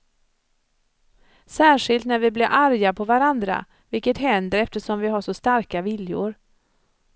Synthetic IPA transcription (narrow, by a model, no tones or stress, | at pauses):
sæːʂɪlt̪næɾvɪblɪɾʔaɾjapʰɔvaɾand̪ɾa̰ | vɪlkːət̪ɦɛnd̪əɾɛft̪əʂɔmvɪɦaʂɔst̪aɾkavɪljʊ̰ɾ